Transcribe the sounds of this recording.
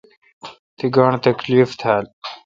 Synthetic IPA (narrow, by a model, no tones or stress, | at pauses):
t̪ʰiɡɑːɳ̃t̪ɐkliːft̪ʰaːl